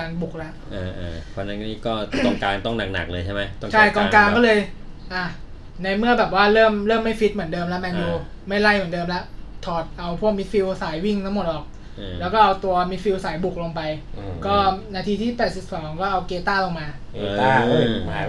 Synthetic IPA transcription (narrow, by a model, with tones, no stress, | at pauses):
kaː˧nbu˨˩k̚lɛ˦˥ʔʔaː˧ʔaː˧˩kʰɔː˧nːa˦˥nkniː˦˥kɔː˥˩ɔ˥˩ŋkaː˧nt̪ɔ˥˩ŋna˨˩k̚na̰˨˩k̚lɤː˧jt͡ɕʰa˥˩ma˦jt̪ɔ˥ŋt͡ɕʰa˥˩˧jkɔː˧kaː˧nkkɔː˥˩lɤː˧j | ʔa˧˩ | na˧jmɯ˥˩əbɛː˨˩p̚waː˥˩ɾɤː˥˩mɾɤː˥˩mːa˥˩jfi˦˥t̪̚mɯ˩˦əndɤː˧mlɛ˦˥mɛː˧ŋjuː˧ | ma˥˩jla˥˩jmɯ˩˦ndɤː˧mlɛ˦˥ʔt̪ʰɔː˨˩t̪̚ʔa˧wpʰu˥˩k̚mi˦˥t̪̚fi˧wsaː˩˦jwi˥˩ŋt̪ʰa˦˥mo˨˩t̪̚ʔɔː˨˩k̚ | ʔlɛː˦˥wkɔː˥˩ʔa˧wt̪u˧ɐmi˦˧t̪̚fi˧wsaː˩˦jbu˨˩k̚lo˧mpa˧jʔkɔː˥˩naː˧t̪ʰiː˧t̪ʰiː˥˩pɛː˨˩t̪̚si˨˩p̚sɔː˩˦ŋŋkɔː˥˩ʔa˧wkeː˧t̪aː˥˩lo˨˩ŋmaː˧